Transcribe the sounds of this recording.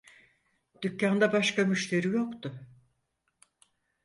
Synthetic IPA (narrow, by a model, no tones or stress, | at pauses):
d̪̥ycːand̪abaʃkamyʃt̪ʰe̞ɾijo̞kt̪ʊ